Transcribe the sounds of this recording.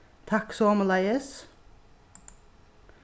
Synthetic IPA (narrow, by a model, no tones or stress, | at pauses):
t̪ʰɑksoməlɑɪəs